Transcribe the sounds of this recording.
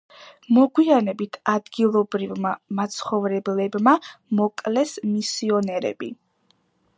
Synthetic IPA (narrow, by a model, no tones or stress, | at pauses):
mɔɡwianɛbit̪ʰad̪ɡilˠɔbɾivmamat̪sʰχɔvɾɛblɛbmamɔkʼlɛsmisiɔnɛɾɛ̰bi